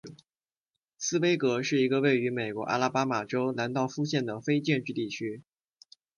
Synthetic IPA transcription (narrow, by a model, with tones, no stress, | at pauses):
sɹ̩˥we˥ɪkɤ˧˥ʂɻ̩˥˩i˧˥ɡə˧we˥˩ɪy˧˥me˨˩ɪkwɔ˧˥ʔa̰˥˧la˥˩pa˥ma˨˩ʈ͡ʂo˥ʊna˧˥nt̪ɑ˥˧ʊfu˥˧ɕjɛ˥˩nd̪ə˩fe˥ɪt͡ɕjɛ˥˧nʈ͡ʂɻ̩˥˧t̪i˥˩t͡ɕʰy˥